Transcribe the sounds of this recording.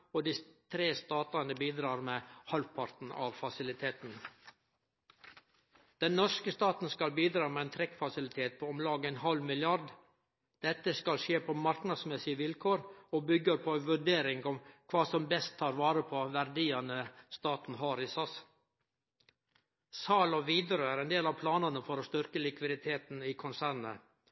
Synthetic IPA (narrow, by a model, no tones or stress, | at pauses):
ɔd̪iːt̪ʰɾeːst̪ɑːt̪ɑnəbiːd̪ɾɑːɾmɛhɑlpʰɑɾt̪n̩ɑ̰ʋfɑsɪlɪt̪ʰeːt̪n̩ | d̪̥ɛnnɔskəst̪ɑːt̪n̩skɑlbiːd̪ɾɑːmɛɛnt̪ʰɾɛkfɑsɪlɪt̪ʰeːt̪̚pʰoːɔmlɑːɡəɛnhɑlmɪlɪɑɾɖ̪ | d̪̥ɛt̪ːəskɑlʃeːpʰomɑɾknɑd̪smɛsɪəʋɪlkʰoːɾoːbʏɡəɾpʰoːʋʉɖeːɾɪŋɡɔmkʰʋɑːsɔmbɛst̪ʰːɑːɾʋɑːɾəpʰoːʋæɾd̪iːɑnəst̪ɑːt̪n̩ɦɑːɾɪsɑs | sɑːlɔʋiːd̪əɾəæːɾɛnd̪eːlɑʋpʰlɑːnɑnəfɔɾoːst̪ʏɾkəlɪkʋɪd̪ɪt̪ʰeːt̪n̩iːkʰʊnsæːɾnə̰